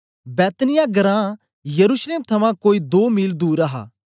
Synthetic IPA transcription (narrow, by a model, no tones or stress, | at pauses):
bɛːt̪nɪjãɡɐɾã | jɐɾuːʃleːmt̪ʰɐmãkoːid̪oːmiːld̪uːɾaɦa̰ː